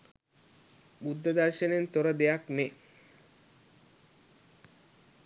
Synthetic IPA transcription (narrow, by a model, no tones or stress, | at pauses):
bud̪ʱːəd̪aɾʃenent̪oɾəd̪ejakme